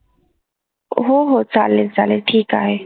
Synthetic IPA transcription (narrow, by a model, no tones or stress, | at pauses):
ɦoːɦot͡sa̰ːlet͡saːleʈʰiːkaːɦeː